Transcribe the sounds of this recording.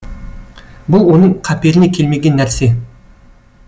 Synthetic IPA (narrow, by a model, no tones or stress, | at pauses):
bʊlˠwo̞nəɴqʰɑpe̞ɾɪnekʲʰe̞lme̞ɡʲe̞nːæɾse̞